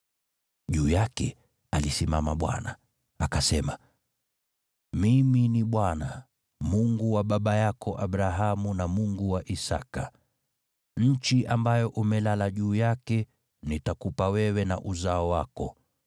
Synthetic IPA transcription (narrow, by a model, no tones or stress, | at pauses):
ʄuːjakɛ | alisima̰ma̰ɓwa̰na̰ | akasɛma | miminiɓwana | muŋɡuwaɓaɓajakʰɔʔaɓɾaɦamunamuŋɡuwaʔisaka | ɲ̩t͡ʃiʔambajɔʔumɛlalaʄuːjakɛ | nitakupawɛwɛna̰ʔuzaɔwakɔ